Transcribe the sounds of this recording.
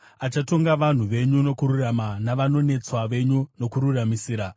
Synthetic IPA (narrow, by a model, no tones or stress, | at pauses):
at͡ʃato̞ŋɡaʋan̤uʋe̞ɲuno̞kuɾuramanaʋano̞ne̞t͡swaʋe̞ɲuno̞kuɾuramisiːɾa